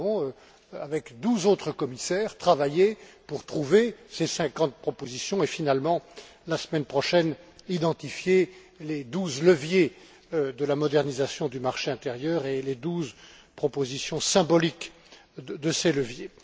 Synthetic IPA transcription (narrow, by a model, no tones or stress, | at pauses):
ɔ̃ | avɛkd̪uzot̪χəkɔmisɛːʁt̪χavajepuʁt̪χuvesesɛ̃kɑ̃t̪̚pχɔpozisjɔ̃efinalmɑ̃lasmɛnpχɔʃɛnid̪ɑ̃t̪ifje | led̪uzləvje | d̪əlamɔd̪ɛʁnizasjɔ̃d̪ymaʁʃeɛ̃t̪eʁjœʁeled̪uz | pχɔpozisjɔ̃sɛ̃bɔlik | d̪əseləvje